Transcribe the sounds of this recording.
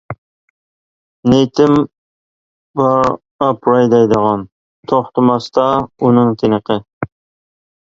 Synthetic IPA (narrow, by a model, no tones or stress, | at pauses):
nejt̪ʰɪm | vɑː | pʰɾɑjd̪ɑjd̪əʁɑn | t̪ʰoχt̪ɨmɑst̪ɑunɨŋt̪ʰenəqʰə